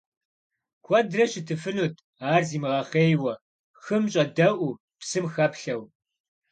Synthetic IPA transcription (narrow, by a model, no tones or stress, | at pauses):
kʷʰɔdrɐʃɪtʰɨfɨnuːtʰ | aːrziːmɨʁɐχeːjwɐ | xɨmɕʼɐdɐʔʷu | psɨmxɐpɬɐw